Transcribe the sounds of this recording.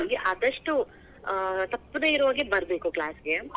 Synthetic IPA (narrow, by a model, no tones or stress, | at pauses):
ɡeʔaːd̪ɐʂʈu | t̪ɐpːneiɾuʋaːɡebɐɾbeːkuklaːsɡe